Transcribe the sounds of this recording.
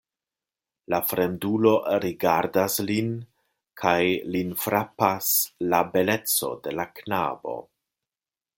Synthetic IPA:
lafɾe̞ndulo̞ɾiɡaɾdaslin | kʰajlinfɾapaslabe̞le̞t͡so̞̰de̞lakna̰bo̞̰

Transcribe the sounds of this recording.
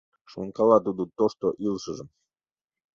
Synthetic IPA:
ʃoŋkɑlˠɑt̪ud̪ut̪oʃt̪oʔilʃəʒəm

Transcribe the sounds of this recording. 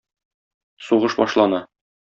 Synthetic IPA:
suʁɤʃbɒʃlˠɑnɑ

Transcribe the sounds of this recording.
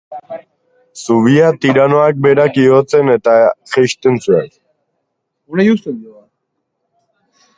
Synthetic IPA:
suβiat̪iɾanoak̚be̞ɾakiot͡se̞ne̞t̪aʝeʃt̪ent͡suak | unejust̪enoa

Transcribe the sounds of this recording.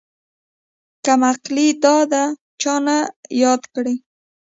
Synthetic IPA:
kamaqlid̪ɑd̪a | t͡ʃɑnajɑd̪kɽi

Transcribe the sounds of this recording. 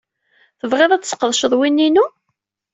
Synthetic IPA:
θəvʁeðˤæt͡ssə̥qːəðˤʃəðˤwinːinu

